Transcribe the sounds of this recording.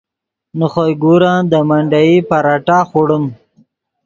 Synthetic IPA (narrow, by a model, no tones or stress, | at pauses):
nəχojɡuɾɑ̃ːnd̪əmaɳɖajipaɾaʈaːχoɽəm